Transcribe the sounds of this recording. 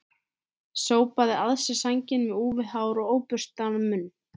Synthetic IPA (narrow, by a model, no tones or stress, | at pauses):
soːwpaðɪaðsɪsaɲcɪnvɪuːvɪðhaːwɾɔɣoːwpʏr̥st̪anʏmʏnː